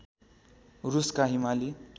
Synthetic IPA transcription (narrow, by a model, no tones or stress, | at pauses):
ruskaɦimali